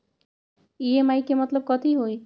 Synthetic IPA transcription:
iemajkemɔt̪lob̚kɔt̪ijɦoj

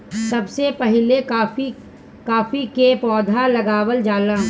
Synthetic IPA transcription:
sɐbsepɐɦɪlekaːfi | kaːfikeːpɔːd̪ʱalɐɡaːwəld͡ʒaːlãː

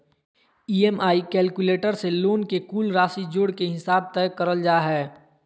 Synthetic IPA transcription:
iːemaːikɛːlkuleːʈəɾseloːnkekuːlɾaːsid͡ʒʊɽkeɦɪsaːb̚t̪ɛːkəɾəld͡ʒaːɦɛː

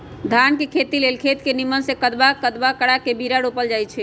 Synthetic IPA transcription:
d̪ʱankekʰet̪ilelkʰet̪kenimənsekəd̪bakəd̪bakəɽakebʱiɾaɽopəld͡ʒajt͡ʃʰɛ

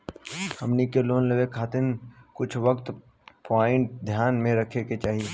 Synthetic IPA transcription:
hɐmnikeloːnleʋekʰaːt̪ɪnkʊt͡ʃʰʋəkt̪ | paːɪɳʈ̚d̪ʱjaːnmẽɾɐkʰeket͡ʃaːɦie

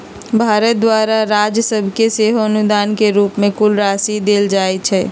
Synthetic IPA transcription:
bʱaːɾət̪̚d̪waːɾaɾaːd͡ʒjəsəbʱkeseːɦoənʊd̪aːnkeɾuːpmẽkʊlɾaːsid̪eːld͡ʒaːɛt͡ʃʰɛː

